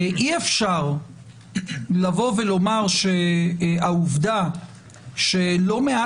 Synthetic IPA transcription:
ʔiefʃaʁ | lavo̞velo̞maʁʃeauvd̪a | ʃelo̞mea

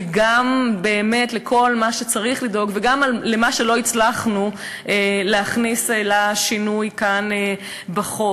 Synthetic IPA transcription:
ɡambe̞ːme̞tlekʰo̞lmaʃet͡saʁiχlido̞ɡveɡamallemaʃe̞lo̞it͡slaχnu | ʔeleaχniselaʃinujkane | baχo

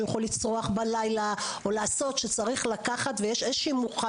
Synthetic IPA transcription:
jaχolit͡sʁoaχbalajlaolaːso̞tʃet͡saʁiχlakaχat̪vejeʃezʃiːmuχa

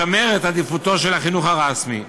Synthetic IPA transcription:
ameʁet̪ad̪ifut̪o̞ʃelhaχinuχaʁasmi

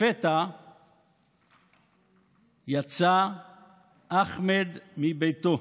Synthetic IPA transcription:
fet̪a | jat͡sa | ʔaχmed̪mibejt̪o

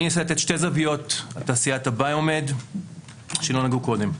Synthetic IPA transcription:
niiset̪et̪ʃte̞zavijo̞tataːsijat̪abajome̞d̪ | ʃelo̞naɡuko̞d̪e̞m

